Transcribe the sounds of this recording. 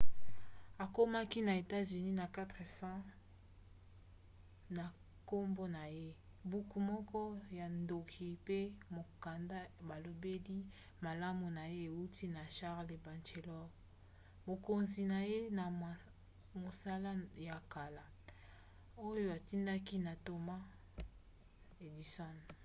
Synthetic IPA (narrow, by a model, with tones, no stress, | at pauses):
a˨ko˦ma˦ki˦na˨e˨ta˦zy˨ni˦na˨ka˦tʁe˨sã˦ | na˨ | ko˦mbo˦na˨je˦ | bu˨ku˨mɔ˦kɔ˦ja˨ndo˨kʰi˨pe˦mo˨ka˨nda˦ba˨lo˨be˦li˦ | ma˨la˦mu˨na˨je˦e˨u˦ti˦na˨ʃa˦ʁle˨ba˨nt͡ʃe˨lɔ˦ | mo˨ko˨nzi˨na˨je˦na˨ | mo˨sa˦la˦ja˨ka˨la˨ | o˦jo˦a˨ti˦nda˦ki˦na˨to˨ma˦ | e˨di˨sɔ˦n